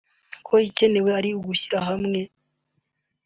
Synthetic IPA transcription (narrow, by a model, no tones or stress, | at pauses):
kʰo̞ice̞ne̞we̞aɾiuɡuçiɾaɦamŋe̞